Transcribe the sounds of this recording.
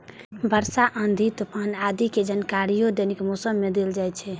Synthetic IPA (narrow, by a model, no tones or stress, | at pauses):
bʱəɾsaʔənd̪ʱit̪upanad̪iked͡ʒənkaɾijod̪enikmosəmːed̪eld͡ʒajt͡ʃʰɛ